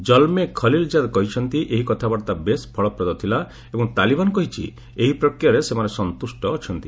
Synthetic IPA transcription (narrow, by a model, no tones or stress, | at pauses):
d͡ʒɔlmekʰɔlild͡ʒad̪kɔɦit͡ʃʰɔnt̪iʔeɦikɔt̪ʰabaɾt̪abesbʰʱɔɭɔpɾɔd̪ɔt̪ʰila | ebɔŋt̪alibanɔkɔɦit͡ʃʰḭ | eɦipɾɔkɾjaɾesemanesɔnt̪usʈɔːt͡ʃʰɔnt̪i